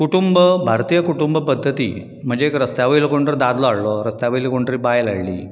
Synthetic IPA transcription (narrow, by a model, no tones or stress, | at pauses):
kuʈumbəbʱaɾt̪ijəkuʈumbəpəd̪ʱːət̪ḭː | m̤əɳd͡zeeːkɾəst̪jaʋəilkoɳʈɾd̪ad̪lɔaɽlɔɾəst̪jaʋəilkoɳʈɾiːbajlaɽlḭː